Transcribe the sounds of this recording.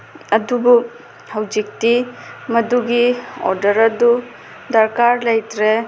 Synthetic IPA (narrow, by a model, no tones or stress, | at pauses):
ɐdubu | hɐwd͡ʒik̚timɐduɡio̰ɾdɐɾɐdu | dɐɾkaɾlɐjtɾe